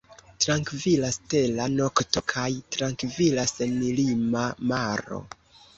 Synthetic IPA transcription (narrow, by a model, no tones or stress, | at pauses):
tɾaŋkvilaste̞lano̞kto̞kʰajtɾaŋkvilasenilimamaɾo̞̰